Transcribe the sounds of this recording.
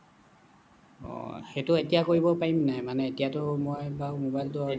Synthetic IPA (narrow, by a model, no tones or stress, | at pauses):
ɔ̰xetʊetijakoɹibɔpaɹimnajmanɛetijatʊmɔjbawmobajltʊa